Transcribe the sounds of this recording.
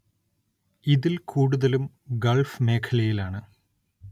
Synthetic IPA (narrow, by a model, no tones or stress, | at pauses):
iðilkʰuːɽuðɐlum | ɡɐlfme̞ːkʰɐlɐjilaːɳɨ